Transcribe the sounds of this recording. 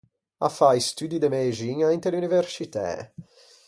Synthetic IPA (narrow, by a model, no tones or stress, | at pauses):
a̰fajst̪yd̪id̪emeʒiɲaint̪eluniveɾsit̪ɛ̰